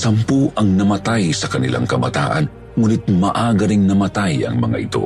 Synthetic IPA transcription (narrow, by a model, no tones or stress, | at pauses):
sɐmpuʔɐŋnɐmɐt̪ajsɐkɐnɪ̰lʔa̰ŋkɐbɐt̪a̰ːʔɐn | ŋuːnɪt̪̚mɐʔaɡɐɾiŋnɐmɐt̪ajɐ̰ŋmɐ̰ŋa̰ʔɪt̪o̞̰